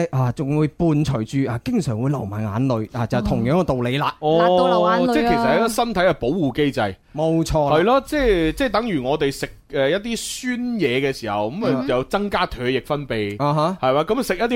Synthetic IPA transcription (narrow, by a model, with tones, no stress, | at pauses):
ʔaː˨˩t͡sʊ˨˩ŋwuː˨˧jpuː˨˧nt͡ʃʰɵ˨˩ɥt͡ʃyː˨˧ʔaː˨˩kɪ˥ŋsœː˨˩ŋwuː˨˧jlɐ˨˩wmaː˨˩nŋaː˨˥nlɵ˨˧ɥaː˨t͡sɐ˨t̪ʰʊ˨˩ŋjœː˨˥ŋ˧t̪o˨wle˨˧jlaː˧ɔː˧˨t͡sɛ˥kʰsɐ˨t̚hɐ˨˧˥k̪ɔ˥sɐ˥nt̪ʰɐ˨˥jɐ˨po˨˥wwuː˨˩ke˥jt͡sɐ˨j | mo˨˧wt͡ʃʰɔː˧hɐ˨jlɔː˥t͡sɛː˥t͡sɛː˥˩t̪̬ɐ˨˥ŋjyː˨˩ŋɔː˨˧t̪e˨jsɪ˨k̚ɛ˨jɐ˥t̚t̪̬ːiː˥syː˥njɛː˨˧kɛː˧siː˨˩hɐ˨wkɐ˨˥m˨˧jɐ˨˧wt͡sɐ˥ŋkaː˥t̪ʰœː˨˧jɪ˨k̚fɐ˥npe˨jaː˨ɦa˨˥hɐ˨jmaː˨˧kɐ˨˥m˩sɪ˨k̚jɐ˥t̪̬̚ːi˥